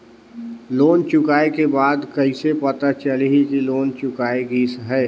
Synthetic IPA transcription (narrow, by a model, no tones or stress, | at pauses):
loːnt͡ʃʊkaːekebaːd̪kəɪsepət̪at͡ʃəliɦikiloːnt͡ʃʊkaːeɡiːsɦɛː